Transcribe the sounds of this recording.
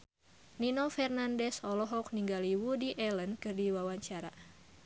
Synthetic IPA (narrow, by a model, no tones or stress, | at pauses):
ninɔfɛrnandɛsɔlɔɦɔk̚niŋɡaliwudiʔɛlənkɨrdiwawaɲt͡ʃaɾa